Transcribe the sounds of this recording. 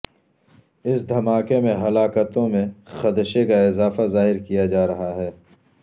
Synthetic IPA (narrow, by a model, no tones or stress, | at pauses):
ɪsd̪ʱɐmaːkemẽɦɐlaːkət̪õmẽxɐd̪əʃekaɪzaːfazaːɦɪɾkijad͡ʒaːɾɐɦaɦɛː